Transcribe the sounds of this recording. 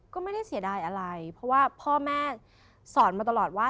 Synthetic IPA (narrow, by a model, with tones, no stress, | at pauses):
kɔː˥˩ma˥˩jda˥˩jsi˨˩˦daː˧jʔa˧ɾa˧jpʰɾɔ˧˦˥waː˥˩pʰɔː˥˩mɛː˥˩ | sɔː˩˦nmaː˧t̪a˧lɔː˨˩t̪̚waː˥˩